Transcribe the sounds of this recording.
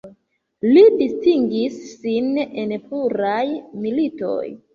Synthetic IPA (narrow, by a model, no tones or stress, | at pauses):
lidistiŋɡisːinenpuɾajmilito̞̰j